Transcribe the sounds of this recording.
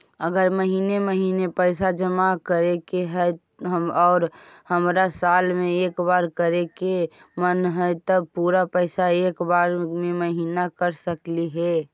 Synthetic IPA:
əɡəɾməɦiːneməɦiːnepəɪsad͡ʒəmakəɾekeɦɛ | ɔːɾhəmɾasaːlmẽeːkbaːɾkəɾeke | mənɦɛt̪əpuːɾapəɪsaeːkbaːɾmẽməɦiːnakəɾsəkliɦɛː

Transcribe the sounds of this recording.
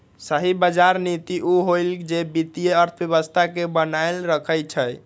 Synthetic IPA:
səɦibəd͡ʒaɾnit̪iʔuɦold͡ʒebit̪ijeəɾt̪ʰəbjeβəst̪ʰakebənajlɾəkʰəjt͡ʃʰəj

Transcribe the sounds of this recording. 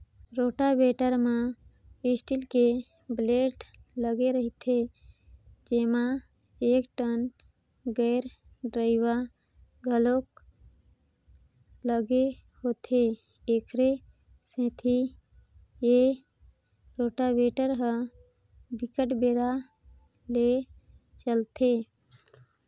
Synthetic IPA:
ɾoːʈabeːʈəɾmã | ɪsʈilke | bleːʈləɡeɾəɦit̪ʰe | d͡ʒeːma | eːkʈən | ɡəːɾ | ɖɾaɪwa | ɡʱəlok | ləɡeɦot̪ʰe | eːkʰɾe | sẽːt̪ʰi | je | ɾoːʈabeːʈəɾɦə | bɪkəʈbeːɾa | le | t͡ʃəlt̪ʰe

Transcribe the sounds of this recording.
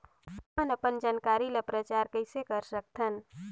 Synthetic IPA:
ənəpənd͡ʒaːnkaɾiləpɾət͡ʃaːɾkəɪsekəɾsək̚t̪ʰən

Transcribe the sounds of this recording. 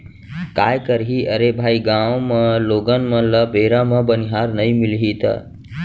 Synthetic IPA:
kajkəɾɦiʔəɾebʱaiɡãwməloɡənmələbʱeɾaməbəniɦaɾnəjmilɦit̪ə̰

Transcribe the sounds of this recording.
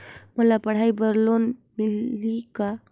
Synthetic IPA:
məlapəɽ̤aibəɾlonmilika

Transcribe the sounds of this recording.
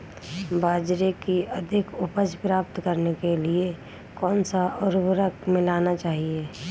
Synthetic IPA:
bʱaːd͡ʒɾekiəd̪ʱɪkʊpəd͡ʒpɾaːpt̪kəɾnekelie | kɔːnsaʊɾbɾəkmɪlaːnat͡ʃaːɦieː

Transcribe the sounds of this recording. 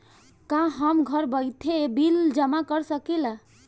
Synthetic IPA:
kãɦəmɡʱəɾbəjt̪ʰebild͡ʒəmakəɾsəkela

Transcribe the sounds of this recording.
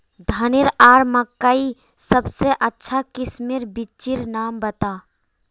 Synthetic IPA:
d̪ʱənɪɾaːɾməkːai | səbseʔətːʃʰakɪsmiɾbɪt͡ʃiɾnaːmbət̪aː

